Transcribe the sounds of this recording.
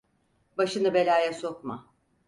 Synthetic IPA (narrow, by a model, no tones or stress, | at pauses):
baʃɯnɯbe̞lʲaːjɛso̞kma